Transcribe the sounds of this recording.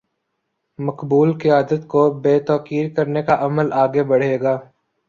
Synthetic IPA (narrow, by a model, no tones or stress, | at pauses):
mɐkbuːlkɪjaːd̪ət̪kobeːt̪ɔːqiːɾkɐɾnekaʔɐməlaːɡebɐɽ̤eːɡaː